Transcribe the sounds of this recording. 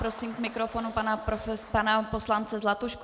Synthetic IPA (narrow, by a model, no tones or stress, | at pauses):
pɾosiːmkmɪkɾofonupanaɾofɛpanaposlant͡sɛzlat̪uʃk